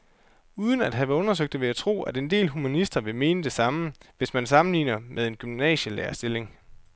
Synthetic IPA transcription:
uːð̞ˠən̩æd̥ɦæʋɔ̽nɐs̬øɡ̥̚d̥eʋe̝æt͡sʰʁo̝̰ːæd̥e̝nd̥e̝̰ːlɦumænisd̥ɐʋe̝me̝ːnəd̥e̝sɑ̈məʋe̝smænsɑ̈mn̩lḭːnɐmʔeð̞ˠe̝nɡ̥ymnɛ̰ːɕəlḛːɐsd̥e̝le̝ŋ

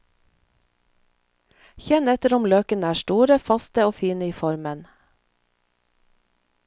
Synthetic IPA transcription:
çɛnɛt̪əɾʊmløːkənəæːʃʈuːɾəfɑst̪əoːfiːnəiːfɔɾmən

